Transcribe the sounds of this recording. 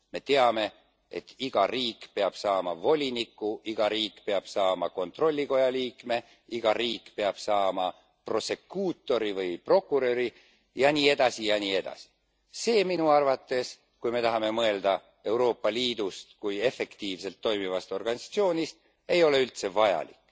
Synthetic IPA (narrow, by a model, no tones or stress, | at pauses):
me̞t̪e̞ɑme̞ | ḛt̪ːiɡ̥ɑriːkˑpe̞ɑb̥sɑːmɑ̰vo̞lʲinikːˑuʔiɡ̥ɑɾiːkˑpe̞ɑb̥sɑːmɑko̞nt̪ro̞lʲːiko̞jɑliːkme̞ | iɡ̥ɑriːkːˑpe̞ɑb̥sɑːmɑ | pro̞se̞kuːt̪ːˑo̞ɾivɯjpro̞kːˑuɾøɾi | jɑniːe̞d̪̥ɑsijɑniːe̞d̪̥ɑ̰si̥ | se̞ːminuɑrvɑt̪ːˑe̞s | kujme̞t̪ɑɦɑme̞mɤe̞ld̪̥ɑ | e̞uwɾo̞ːpːɑliːd̪̥ust̪kuje̞fe̞kt̪iːvse̞lt̪ːo̞jmivɑst̪o̞rɡ̥ɑnisɑ̥t̪sio̞ːnist̪̚ | e̞jo̞le̞ylt̪se̞vɑjɑ̰lḭkːˑ